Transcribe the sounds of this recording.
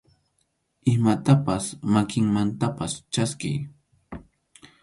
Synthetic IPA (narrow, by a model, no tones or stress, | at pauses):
ɪmat̪apasmakɪŋmant̪apast͡ʃaskɪ̰j